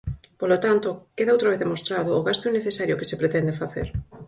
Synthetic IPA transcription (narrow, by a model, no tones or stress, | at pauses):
polot̪ant̪ʊkeðaowt̪ɾaβeððemost̪ɾaðʊːɣast̪ʊinːeθesaɾjʊkɪsepɾet̪ɛnd̪efaθḛɾ